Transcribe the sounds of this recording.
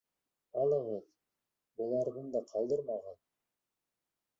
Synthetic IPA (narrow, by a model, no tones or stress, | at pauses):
ɑlˠeʁen | bulˠɑɾd̪ɯnd̪ɑqʰɑlˠd̪ɯɾmɑʁɑn